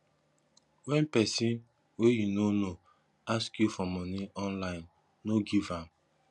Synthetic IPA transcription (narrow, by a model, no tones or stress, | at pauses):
wɛ̃npɛsĩn | wejunono | askjufɔmɔniɔ̃nlaɪ̃nː | oɡivãm